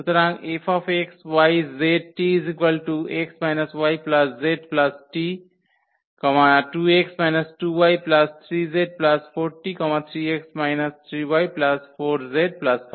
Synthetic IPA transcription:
ut̪ːɐɾãŋɡepʰɔːpʰeksʋajzeɖ̚ʈiizikʋɐlʈueksmajnɐsʋajplɐszeːɖplɐsʈi | kɔmaʈueksmajnɐsʈuʋajplɐst̪ʰɾiːzeːɖ̚plɐspʰoːɾʈikɔmat̪ʰɾiːeksmajnɐst̪ʰɾiːʋajplɐspʰoːɾzeɖ̚plɐsp

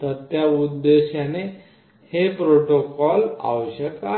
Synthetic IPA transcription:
t̪əɾt̪jaud̪ːeɕjane | hepɾoʈokɔla̰wɕəka

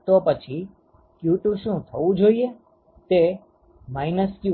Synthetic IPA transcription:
t̪opət͡ʃʰi | kjuʈũʃũt̪ʰəʋũd͡ʒoie | t̪e | mainəskju

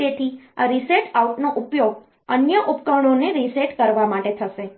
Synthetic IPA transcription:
et̪ʰiaɾiseʈauʈnoʔupjoɡ | ənjəʔupkəɳ̃oneɾiseʈkəɾʋamaʈet̪ʰəʃe

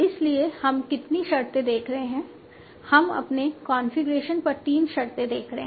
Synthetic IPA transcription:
ɪsliehɐmkɪt̪niʃɐɾt̪ed̪eːkʰɾɐɦeɦɛ̃ | hɐmɐ̰pnekãːnfɪɡɾeːʃənpɐɾʈiːmʃɐɾt̪ed̪eːkʰɾɐɦẽ

